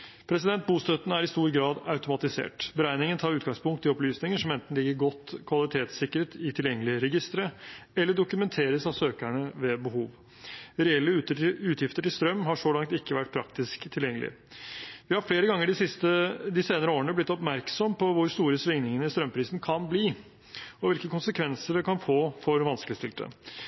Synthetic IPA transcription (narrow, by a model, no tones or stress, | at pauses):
pʰɾɛsɪd̪ɛnt̪̚buːst̪œt̪ənæɾɪst̪uːɾɡɾɑːd̪ɑʉt̪ʊmɑt̪ɪsḛːʈbəɾæɪnɪŋənt̪ʰɑːɾʉːt̪ɡɑŋspʰʊŋkt̪ːɪɔplyːsnɪŋəʂɔmɛnt̪n̩lɪɡːəɾɡɔt̪ːkʰʋɑlɪt̪ʰeːt̪sɪkːəɾət̪ɪt̪ʰɪljɛŋːəlɪɾɛɡɪst̪ɾəɛlːəɖʊkʉmɛnt̪ʰeːɾəsɑʋsøːkæɳəʋɛbəhuːʋ | ɾɛɛlːəʉːt̪jɪft̪əʈɪlst̪ɾœmːɦɑʂolɑŋt̪ɪkːəʋæʈ̚ːpʰɾɑk̚t̪ɪskt̪ʰːɪljɛŋːəlɪ̰ | ʋɪhɑɾfleːɾəɡɑŋːəɖɪsɪst̪əd̪ɪseːnəɾəoːɾəɳəblɪt̪ːɔpmæɾksɔmpʰɔʋʊɾst̪uːɾəsʋɪŋnɪŋənəɪst̪ɾœmpʰɾiːsn̩kʰɑnbliː | ɔʋɪlkəkʊnsəkʰʋɛnsəɖɛkɑnfoːfɔɾʋɑnskəlɪst̪ɪlt̪ə̰